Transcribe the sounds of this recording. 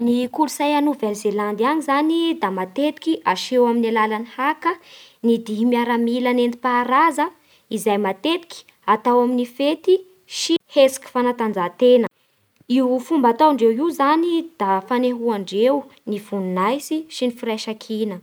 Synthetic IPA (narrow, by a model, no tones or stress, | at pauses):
nikulusajanuvelzeland̪iaɲizanid̪amat̪et̪i̥kʲiʔaʃewaminalalanihakənid̪iɦimiaɾamilanend̪i̥paɾazə | izajmat̪et̪i̥kʲi̥ | at̪awaminifet̪i | ʃihesi̥ki̥fanat̪and͡zat̪enə | iɦufumbat̪awaɳɖ͡ʐewiwzanid̪̥afaneɦuaɳɖ͡ʐewnivununajsiʃinifiɾajʃakʰinə